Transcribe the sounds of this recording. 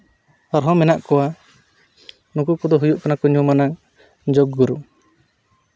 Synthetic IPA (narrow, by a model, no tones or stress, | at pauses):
ɔɾɦɔmɛnaʔkɔwa | nukukɔd̪ɔɦujuʔkɔnakɔɲumana | d͡ʒoɡːuɾu